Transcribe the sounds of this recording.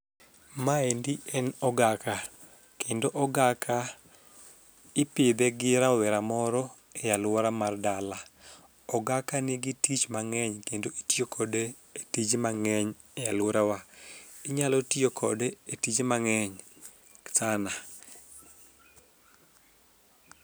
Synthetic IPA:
maendiɛnɔɡaka | kʰendoʔɔɡakʰa | ɪpɪd̪ɛɡɪɾawɛɾamɔɾɔ | ejalwɔɾamardala | ɔɡakanɪɡitit͡ʃmaŋɛɲkendoitjokʰɔde | etid͡ʒemaŋɛɲ | ejalwɔɾawaɪɲalɔtiokʰɔ̰deetid͡ʒemaŋɛɲ | ksana

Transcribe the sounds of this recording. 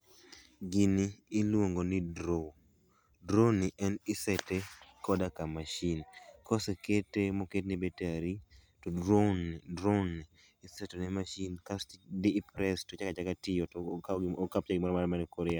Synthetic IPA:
ɡiniːlwoŋɡonɪdɾo | dɾoniʔɛnɪsɛtekɔdakamaʃinkɔseketemoketnɪbetaɾitɔdɾondɾoniː | sɛtɔnɛmaʃinkasdɪpɾɛstot͡ʃakad͡ʒakatɪjɔkːkap̚t͡ʃaɡɪmɔɾɔmaɾmanɛkɔɾɪa

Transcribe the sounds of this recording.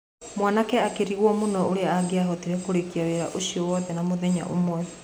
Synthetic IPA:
mwanakɛakeɾiɣwɔmonɔoɾeaaɡeaɦɔtiɾɛkoɾekiaweɾa̰ʔosiɔwɔðɛnamoðɛɲa̰ʔomwɛ

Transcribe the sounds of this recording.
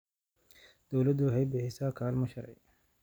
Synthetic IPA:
d̪̥ɔwlɐd̪ʊɦɛjbɪħɪsakʰaːlmɐʃɐɾɛ̰j

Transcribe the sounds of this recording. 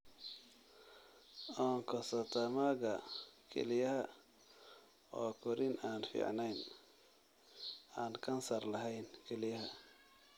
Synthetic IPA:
ʔɔːŋkʰɔsɐt̪ʰɐmaɣɐkʰɛ̰lɪjɐɦɐ | ɔːkʰʊɾɪnaːnfḭːʕnɛjn | aːnkʰɐnsɐrlɐɦɛjnkʰɛlɪjɐɦɐ

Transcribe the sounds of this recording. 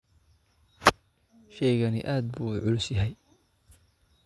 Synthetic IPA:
ʃɛjɣɐnɪ̰ʔaːd̪̚buːʕʊlʊsjɐɦɛj

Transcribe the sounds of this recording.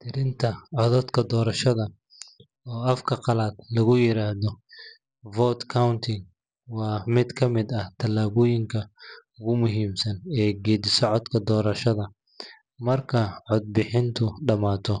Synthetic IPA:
t̪ʰɪɾɪnt̪ʰɐʕɔðɔːd̪kʰɐd̪ɔːɾɐʃɐðɐ | ɔːɐfkʰɐqɑlaːd̪lɐɣʊjɪɾaːhðɔ | vɔːt̪kʰawnt̪ʰɪŋ | wɑːmɪd̪kʰɐmɪd̪ɐht̪ʰɐlaːβʊjɪŋkʰɐʊɣʊmʊɦiːmsɐnɛːɡɛːd̪ɪsɔʕɔd̪kʰɐd̪ɔːɾɐʃɐðɐ | mɐrkʰɐʕɔd̪̚bɪħɪnt̪ʰʊɖɐmaːt̪ʰɔ

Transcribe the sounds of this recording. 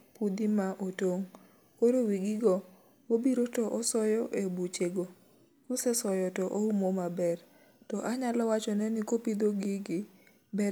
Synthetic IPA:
pud̪imaʔotoŋ | koɾowiɡɪɡɔ | obiɾotɔʔɔsɔjɔʔebut͡ʃeɡo | kosɛsɔjɔtɔʔoumomabɛr | tɔʔaɲalɔwat͡ʃɔnɛnɪkopid̪oɡɪɡɪ | bɛ

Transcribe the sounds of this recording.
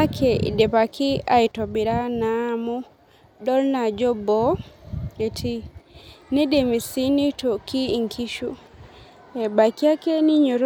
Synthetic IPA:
akʰɛ̰dɛpakiajtobiɾanamɔ | dɔlnad͡ʒɔbɔ | etʰi | nidɛmisinitɔkiŋkʰiʃu | ɛbakiakɛniɲoɾ

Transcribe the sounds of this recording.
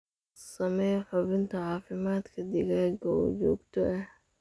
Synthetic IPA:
sɐmɛjħʊβɪnt̪ʰɐʕɑːfɪmaːd̪kʰɐd̪ɪɡaːɡɔwd͡ʒɔ̰ːɡt̪ʰɔɛh

